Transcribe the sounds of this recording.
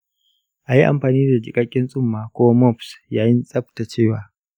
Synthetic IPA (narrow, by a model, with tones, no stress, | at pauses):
ʔa˨ji˦ʔa̰˨mɸaː˨niː˦da˨d͡ʒɪ˨kʼa˦kʲʼɪ˦nsʼʊ˦mːaː˨kʷoː˦wmɔ˦˨psjaː˦jɪ˦nsʼɐ˦p̚ta˨t͡ʃeː˦˨waː˨